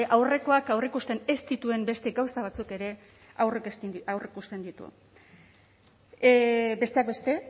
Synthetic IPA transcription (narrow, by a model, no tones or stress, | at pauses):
ʔawre̞ko̞akawrikust̪e̞ne̞st̪it̪ue̞mbe̞st̪e̞ɡawsaβ̞at͡suke̞ɾe̞ | awreawrikust̪e̞nd̪it̪ṵ | be̞st̪e̞ak̚be̞st̪e̞